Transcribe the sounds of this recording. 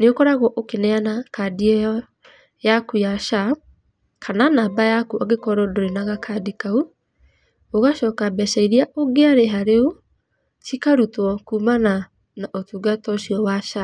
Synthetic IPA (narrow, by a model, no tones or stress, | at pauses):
neokɔɾaɣwɔʔokenɛanakadiɛjɔ | jakujaʃa | kʰananaːbajakuʔaɡekɔɾɔdoɾenaɣakʰadikau | oɣaʃɔːkabɛʃaiɾiaʔoɡeaɾeɦaɾeo | tikaɾutwɔkumana | naʔotuːɡatɔɕiɔwaʃa